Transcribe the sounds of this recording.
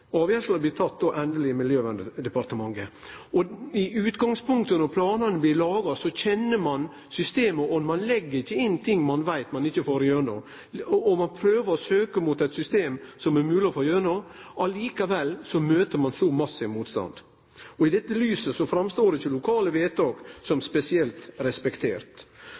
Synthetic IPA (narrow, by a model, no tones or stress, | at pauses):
ɑːʋjæʂlɑblɪt̪ʰɑt̪̚ːd̪oʔɛnd̪əlɪmɪljøːʋɛnd̪əd̪ɛpɑɾt̪əmɑŋːəɔɪʉːt̪ɡɑŋspʰʊŋkt̪ənɔpʰlɑːnɑnəblɪlɑːɡɑsɔçɛnːəmɑn | sʏst̪eːməʔɔnmɑnlɛɡːəɾɪçːəɪnːt̪ʰɪŋːmɑnʋæɪt̪mɑnɪçːəfoːɾɪjøːɳɔ̰ | ɔmɑnpʰɾøːʋəɾɔsøːkəmut̪æɪt̪sʏst̪eːmsɔmɛɾmʉːlɪfɔjøːɳoʔɑliːkɑʋɛlsɔmøːt̪əɾmɑnsɔmɑsːəmuːt̪st̪ɑ̰nd̪ | ɔɪd̪ɛt̪ːəlyːsəsɔfɾɑmst̪oːɾɪçːəlʊkʰɑːləʋeːt̪ʰɑːɡ̥sɔmspɛsɪɛlt̪ɾɛspɛkt̪ʰeːɾt̪